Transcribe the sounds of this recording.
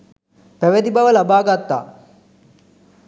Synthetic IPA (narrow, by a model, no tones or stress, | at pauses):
pæʋed̪ibɐʋəlabaːɡat̪ːa̰ː